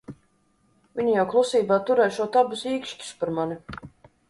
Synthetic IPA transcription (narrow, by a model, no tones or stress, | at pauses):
vʲiɲujawklˠusiːbaːt̪uɾɛjʃuɔt̪abusiːkʃcʲi̥spaɾmani